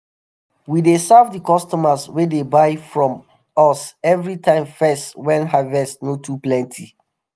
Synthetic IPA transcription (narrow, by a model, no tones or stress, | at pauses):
widesɛvdikɔstɔməswedebaɪfɹɔ̃m | ɔsɛvɹitʰãɪ̃ɱfɛstwɛ̃nɦavɛstnotʰuplɛ̃ntʰi